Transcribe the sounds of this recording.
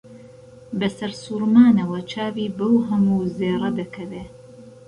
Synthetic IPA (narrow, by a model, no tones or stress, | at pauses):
bɐsɐɾsuːɾmaːnɐwɐt͡ʃʰaːwiːbɐwɦɐmuːzeːrˤɐd̪ɐkʰɐveː